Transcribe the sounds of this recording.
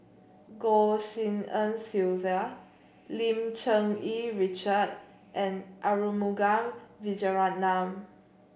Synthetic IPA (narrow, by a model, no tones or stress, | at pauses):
ɡɔsĩŋə̃nsilvə | lĩmt͡ʃə̃ŋiɹit͡ʃəd̚ | ʔɛ̃nʔaɹumuɡãmvid͡ʒəɹat̚nãm